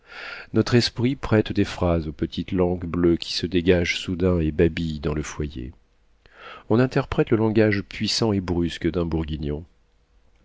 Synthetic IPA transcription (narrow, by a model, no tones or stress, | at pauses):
nɔt̪χɛspχipχɛt̪d̪efχazopət̪ʰit̪lɑ̃ɡbløkʲi̥səd̪eɡaʒsud̪ɛ̃ebabijd̪ɑ̃ləfwajḛ | ɔ̃nɛ̃t̪ɛʁpχɛt̪ləlɑ̃ɡaʒpɥisɑ̃ebʁyskd̪ɛ̃buʁɡʲinjɔ̃